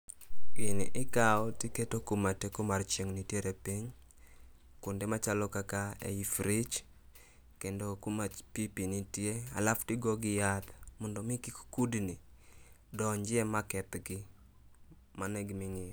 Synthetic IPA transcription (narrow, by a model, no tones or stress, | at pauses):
ɪnɪʔɪkaɔtiketokumatekomart͡ʃeŋnitjeɾʔepiɲ | kʊndemat͡ʃalɔkakaḛifɾit͡ʃ | kendokumapipinitjea̰laftɪɡɔɡɪjat̪mɔndɔmɪkikkudni | dɔɲd͡ʒɪɛmakɛt̪ɡɪ | manɛɡmɪŋɪ